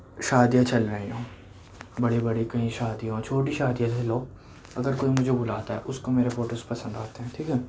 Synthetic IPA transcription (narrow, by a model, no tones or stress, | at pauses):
ʃaːd̪jãt͡ʃɐlɾɐɦẽɦõː | bɐɽebɐɽekɐɦĩʃaːd̪ijɦõt͡ʃʰoːʈiʃaːd̪ijãɐloː | ɐɡəɾkoːimʊd͡ʒʱebʊlaːt̪aɦɛ̰ʔʊskomeːɾefoːʈəspɐsə̃nd̪aːt̪eɦɛ̃ːʈʰiːkɛː